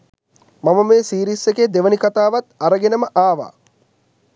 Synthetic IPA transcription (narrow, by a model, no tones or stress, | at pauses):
maməmeːsiːɾisekeːd̪eʋənikat̪aːʋat̪aɾəɡenəməʔaːʋa̰ː